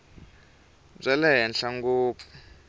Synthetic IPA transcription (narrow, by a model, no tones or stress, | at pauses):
b͡ʐɛlɛɦɛnɬaŋɡuːpʰu̥